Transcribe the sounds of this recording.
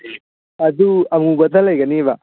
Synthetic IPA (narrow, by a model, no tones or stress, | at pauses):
ɐd̪uɐʋɐŋɡubɐd̪ɐlːɐiːɡɐniːʋa